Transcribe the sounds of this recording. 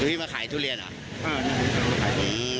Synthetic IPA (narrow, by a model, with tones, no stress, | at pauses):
u˧t̪ʰi˥˩maː˧˩kʰaː˨˩˦jt̪ʰu˥˩li˧əna̰˨˦ | ʔaː˧na˧˩u˧˩˧a˧˩kʰaː˨˩˦jni˨˦